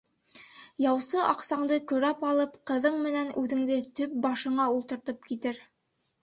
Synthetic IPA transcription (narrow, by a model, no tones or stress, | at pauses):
jɑwsɤʔɑqsɑɴd̪ɤkɵ̆ɾæpɑlˠɤpqɤ̆ðɤɴmɘ̆nænʉðɘ̆ŋd̪ɘt̪ɵp̚bɑʃɤ̆ɴɑulˠt̪ɤ̆ɾt̪ɤp̚kit̪ɘɾ